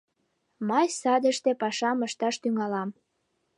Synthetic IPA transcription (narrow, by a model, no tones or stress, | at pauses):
mɑjsɑd̪ə̆ʃt̪epɑʃɑməʃt̪ɑʃt̪yŋɑlɑm